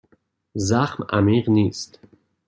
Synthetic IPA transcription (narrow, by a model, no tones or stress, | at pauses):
zaχmæ̰miːʁniːst̪